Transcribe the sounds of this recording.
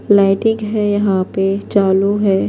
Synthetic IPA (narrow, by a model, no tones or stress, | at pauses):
laːɪʈɪ̃ŋɡɦɛjɐɦãpet͡ʃaːluɦɛː